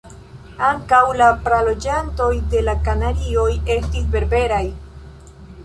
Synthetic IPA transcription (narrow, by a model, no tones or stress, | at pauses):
aŋkawlapɾalo̞d͡ʒanto̞jde̞lakanaɾio̞je̞stisbe̞ɾbe̞ɾaj